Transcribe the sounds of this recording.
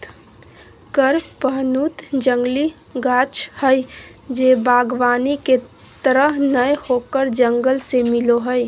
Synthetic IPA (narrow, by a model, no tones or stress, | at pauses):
kəɾpəɦnuːt̪d͡ʒə̃ŋɡli | ɡaːt͡ʃhəjd͡ʒeːbaːɡʋaːnike | t̪əɾəɦnəjhokəɾd͡ʒəŋɡəlsemɪloɦəj